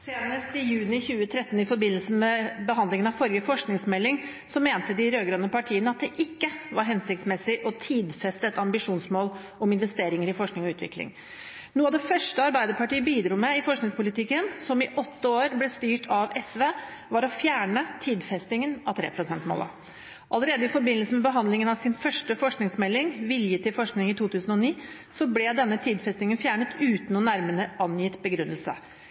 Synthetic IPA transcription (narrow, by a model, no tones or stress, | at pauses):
seːnəst̪ɪjʉːnɪçʉːət̪ʰɾɛt̪ːn̩ɪfɔɾbɪnːəlsən̩mɛbəɦɑnd̪lɪŋənɑʋfɔɾjəfɔʂknɪŋsmɛlːɪŋ | sɔmeːnt̪əd̪ɪɾøːɡɾɑːnəpʰɑʈʰiːənəɑt̪̚d̪ɛʔɪkːəʋɑɾɦɛnsɪk̚t̪smɛsɪʔɔt̪ʰiːd̪fɛst̪əɛt̪ɑmbɪʂuːnsmoːl | ʔɔmɪn̪ʋɛst̪eːɾɪŋəɾɪfɔʂknɪŋɔʉːt̪ʋɪ̰klɪ̰ŋ | nuːɑd̪ɛfœʂʈəɑɾbæɪd̪əɾpɑʈiːəbiːd̪ɾuːmɛɪfɔʂknɪŋspʊlɪt̪ɪkːənsɔmɪʔɔt̪ːəoːɾblɛst̪yːʈʰɑʋɛsʋeːʋɑɾɔfjæːɳət̪ʰiːd̪fɛst̪ɪŋənɑʋt̪ʰɾḛːpʰɾʊsɛnt̪mo̰ːlə̰ | ʔɑləɾeːd̪əɪfɔɾbɪnːəlsəmɛbəɦɑnd̪lɪŋənɑʋsɪnfœʂʈəfɔʂknɪŋsmɛlːɪŋʋɪljət̪ʰɪlfɔʂknɪŋɪt̪ʰuːt̪ʰʉːsən̩ɔniː | sɔblɛd̪ɛnːət̪ʰiːd̪fɛst̪ɪŋənfjæːɳət̪ʰʉːt̪nɔnæɾmənəʔɑnjɪt̪bəɡɾʉnːəlsə̰